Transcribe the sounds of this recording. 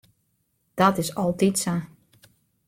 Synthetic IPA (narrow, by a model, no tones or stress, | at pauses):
d̥ɔtɪsɔlˠtitsa